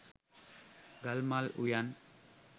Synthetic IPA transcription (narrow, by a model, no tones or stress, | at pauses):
ɡalmalṵjan